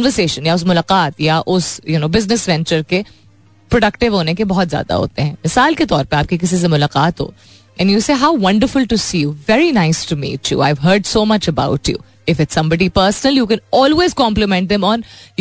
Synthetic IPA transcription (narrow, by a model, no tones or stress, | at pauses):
nʋəɾseːʃə̃njaʊs̬mʊlaːqaːt̪jaʔʊsjunoːbɪznɪsʋɛ̃nt͡ʃəɾke | pɾɔɖɐkʈɪʋɦoːnekebɔɦɔt̪zja̰ːd̪a̰ɦo̰ːt̪eɦɛ̃mɪsaːlket̪ɔːɾpɐɾaːp̚kikɪs̬ĩs̬emʊlaːqaːt̪ɦo̰ː | ɛ̃njuːseːɦaʊʋɐ̃ɳɖəɾfʊlʈusiːjuʋɛɾinaɪsʈumḭːt͡ʃjṵa̰ɪʋɦəːɖsoːmɐt͡ʃəba̰ʊʈjṵ | ɪfɪʈsɐ̃mbɔɖipəːɾsnəljuːkɛ̃nɔːlweːzkɔ̃ːmplɪmɛ̃ɳʈ̚d̪ɛ̃mɔ̃nj